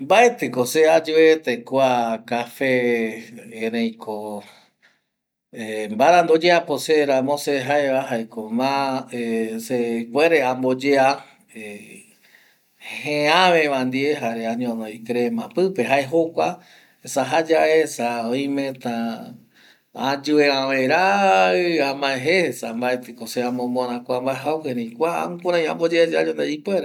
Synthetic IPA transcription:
mbaet̪ekosead͡ʒuet̪ekwakafẽː | ɾẽj̃kʰo | embaɾãnd̪od͡ʒeaposeɾãmõseɦaeβaɦaekomãesekweɾeambod͡ʒea | e | hẽãʋẽβãnd̪ieɦaɾeaɲõnojkɾemãpɨpeɦaeɦokʷa | esaɦad͡ʒaesaoj̃mẽt̪ã | ãd͡ʒueãʋeɾaɨamãẽɦeesambaet̪ɨkoseãmõmõɾ̃ãkʷambaeɦawheɾẽjkʷaã̰kuɾ̃ãj̃ã̰mbod͡ʒead͡ʒaɲõnd̪eipwʷeɾe

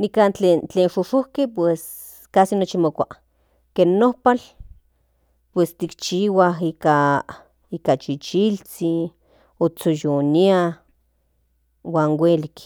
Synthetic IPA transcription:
nikant͡ɬeːnt͡ɬeːnʃoʃohkepwes | kasinot͡ʃimokʷa | keːnːohpal | pwest̪ikt͡ʃiːwaɦika | ikat͡ʃit͡ʃilt͡si | ot͡sojonia | waːnwelik

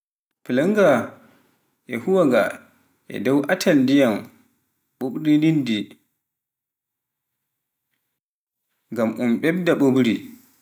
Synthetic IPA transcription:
pilaŋɡa | ʔɛhuwaɡa | ʔɛ̰dɔwʔatʰandijam | ɓoɓɾinindi | ŋɡamʔumɓɛb̚daɓoɓɾi

